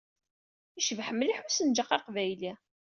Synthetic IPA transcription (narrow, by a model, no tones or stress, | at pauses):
iʃəvħəmːliħusənd͡ʒəqːɑqvæjli